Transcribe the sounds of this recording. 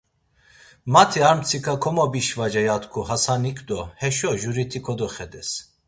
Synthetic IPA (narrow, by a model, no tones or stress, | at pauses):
mat̪ʰiaɾmt͡sʰikʰakʰɔmɔbiʃvad͡ʒɛjat̪kʰuhasanikʰʼd̪ɔhɛʃɔʒuɾit̪ʰikʰɔd̪ɔχɛd̪ɛs